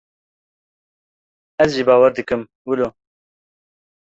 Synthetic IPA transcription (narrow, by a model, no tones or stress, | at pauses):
ɛzʒiːbɑːwɛɾd̪ɨkɨm | wɨloː